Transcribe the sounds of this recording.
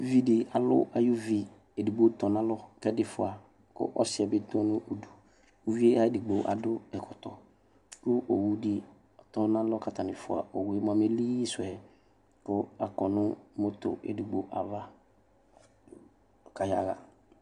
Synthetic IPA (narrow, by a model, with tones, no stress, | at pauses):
vi˦dɪ˨a˨lʊ̰˦a˨jʊ˦vi˨ | e˨di˨ɡ͡bo˨˦tɔ˨nã˦lɔ˦kɛ˦dɪ˨fʊ˨a˨ | kʊ̰˦ʔɔ˦sɪ˨ɛ˨bɪ˦t̪ɔ̃˦nʊ̃˦ʔo˨du˨ | u˦vi˦e˦a˦˨di˨ɡ͡bo˨ʔa̰˨dʊ˦ɛ˨kʰɔ˨tɔ˨ | kʊ˦ʔo˨wu˨di˨ | ɔ˨tɔ˦nã˦lɔ˦ka˨tʰa˨nɪ̃˨fʊ˨a̰˨o˨wu˨e˦m˦ã˨me˦li˦sʊ˨ɛ˨ | kʊ˦a˨kɔ˨nʊ̃˦mʊ˦tʊ̰˨ḛ˨du˨ɡ͡bo˨ʔa˨va˦˨ | ka˨ja̰˨ɣa̰˨